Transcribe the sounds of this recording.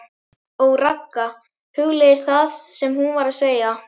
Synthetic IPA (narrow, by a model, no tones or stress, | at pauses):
ɔɣrakːa | hʏɣlejɪɾ̥θaðsɛmhunvaɾaðseːja